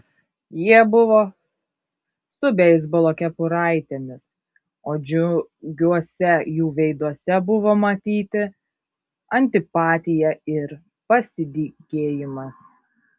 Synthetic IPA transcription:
jiɛbʊʋoː | st̪ʊbʲɛɪs̬bʊlˠoːkʲɛpʊɾɐɪt̪ʲenʲɪs | oːd͡ʒʲʊɡʲuɔsʲɛjuːʋʲɛɪd̪uɔsʲɛbʊʋoːmɐt̪ʲiːt̪ʲɪ | ɐnʲt̪ʲɪpɑːt̪ʲɪjɛɪɾ | pɐsʲɪd̪ʲiɡʲeːjɪmɐs

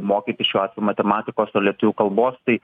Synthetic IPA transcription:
moːkʲiːt̪ʲɪsʃʲuːɑːt̪ʋʲɛjumɐt̪ʲɛmɑːt̪ʲɪkoːsolʲiɛt̪ʊʋʲuːkɐlˠboːst̪ɐɪ

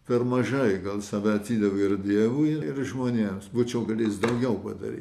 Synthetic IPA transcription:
pʲɛrmɐʒɐɪɡɐlˠsɐʋʲɛɐt̪ʲiːd̪ɐʋoɪrd̪ʲiɛʋuɪɪrʒmoːnʲeːmsbuːt͡ʃʲɛʊkɐt̪jɪsd̪ɐʊɡʲɛʊpɐd̪ɐ̰ɾʲḭ

